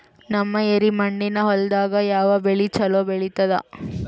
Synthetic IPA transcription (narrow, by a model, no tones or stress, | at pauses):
nɐmːɐeɾimɐɳɖinɐɦɔld̪aːɡɐjaːʋɐbeɭit͡ʃɐloːbeɭit̪ɐd̪ɐ̰